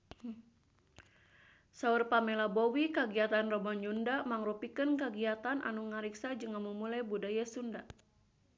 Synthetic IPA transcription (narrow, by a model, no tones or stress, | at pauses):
saurpamɛlabɔwikaɡiat̪anrɔbɔɲd͡ʒundamaŋrupikənkaɡiat̪anʔa̰nuŋaɾiksad͡ʒɨŋamumulajbudajasunda